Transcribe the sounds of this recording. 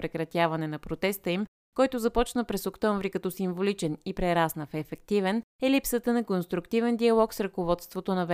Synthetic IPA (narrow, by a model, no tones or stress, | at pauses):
pɾɛkɾɐt̪ʲjavɐnɛnɐpɾot̪ɛst̪əim | kɔjt̪ʊzɐpɔt͡ʃnəpɾɛsokt̪ɔɱvɾikɐt̪ɔsiɱvolit͡ʃɛnipɾɛɾasnəfɛːfɛk̚t̪ivɛn | ɛlipsət̪ənɐkonst̪ɾukt̪ivɛnd̪iɐlˠɔksɾɐkovɔt̪st̪vot̪onɐv